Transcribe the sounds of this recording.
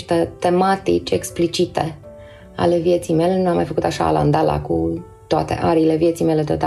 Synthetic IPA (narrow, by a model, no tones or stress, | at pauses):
ʃt̪ət̪e̞mat̪ḭt͡ʃʲeksplit͡ʃit̪e̞ | a̰le̞vjet̪sijme̞le̞nuamːajfəkut̪aʃa̰ːla̰nd̪ala̰ku | t̪oat̪e̞̰ʔaɾiːle̞vjet̪sijme̞le̞d̪ot̪a